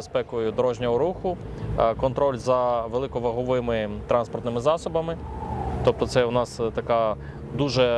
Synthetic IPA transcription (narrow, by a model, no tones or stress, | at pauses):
espɛkɔjʊd̪ɔɾɔʒnʲɐɦɔɾuxʊ | kɔnt̪ɾɔlʲzɐʋelˠɪkɔʋɐɦɔʋɪmɪt̪ɾɑnspɔrt̪nɪmɪzɑsɔbɐmɪt̪ɔp̚t̪ɔt̪sɛʊnɑst̪ɐkɑ | d̪uʒɛ